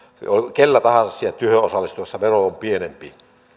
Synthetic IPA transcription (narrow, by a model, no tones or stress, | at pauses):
olʲkelːæt̪ɑhɑnsɑssielt̪yhøʔʔosɑlːˑist̪uesːɑʋeroompienempi